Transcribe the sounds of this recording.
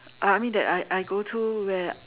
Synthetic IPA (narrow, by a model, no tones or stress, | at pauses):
ʔaajmĩndɛ̰taɪʔajɡotʰuwɛ